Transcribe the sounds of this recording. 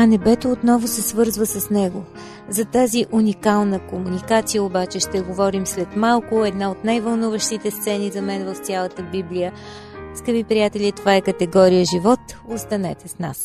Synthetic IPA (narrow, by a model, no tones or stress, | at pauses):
ɐnɛbɛt̪oːt̪nɔvʊsɛsvɤɾzvəsɐsnɛɡo | zɐt̪aziʔunʲikalˠnəkomunikat̪sijəobat͡ʃɛʃt̪ɛɡovɔɾimslɛt̪malˠkʊɛd̪naot̪najvəlˠnuvəʃt̪it̪ɛst̪sɛnizɐmɛnvəft̪sʲalˠət̪əbiblijə | skəvipɾijat̪ɛlʲit̪ovaɛkət̪ɛɡɔɾijəʒivɔt̪ost̪ɐnɛ̰t̪ɛsnas